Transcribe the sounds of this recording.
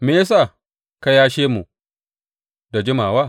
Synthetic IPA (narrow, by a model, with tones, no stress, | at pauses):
me˦a˦s̬aː˦˨ | ka˦jaː˦ʃeː˦mu˨ | da˨d͡ʒɪ˦maː˨waː˦˨